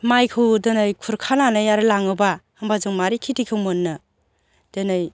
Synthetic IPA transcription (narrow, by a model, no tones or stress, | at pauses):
majkʰɯwdɯnɯjkʰuɾkʰananɯjaɾɯlaŋɯbahambazuŋmaɾikʰitikʰɯwmonːɯ | d̥ɯnɯj